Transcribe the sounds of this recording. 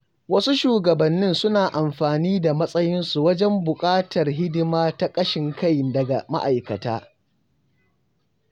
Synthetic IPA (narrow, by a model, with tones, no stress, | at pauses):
wɐ˦su˦ʃuː˨ɡɐ˨bɐ˨nːɪ˦nsʊ˦naː˨ʔa˨mɸaː˨niː˦da˨mɐ˦sʼɐ˦jɪ˦nsu˨wɐ˦d͡ʒɛ˦mbʊ˨kʼaː˦tʰɐ˨rɦɪ˦dɪ˦maː˦ta˦kʼɐ˦ʃɪ˨ŋka˦˨jdɐ˨ɡa˨ma˦ʔa˨jkɐ˨ta̰ː˦